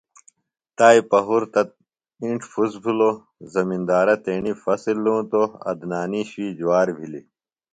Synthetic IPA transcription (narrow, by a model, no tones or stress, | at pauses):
t̪aːipɐɦuɾt̪ɐt̪̚ | ĩɳʈʰfuzbʱulo | zɐmĩnd̪aːɾɐt̪eːɳifɐsilːũːt̪oɐ̰d̪naːniɕiːd͡ʑuwaːɾbʱili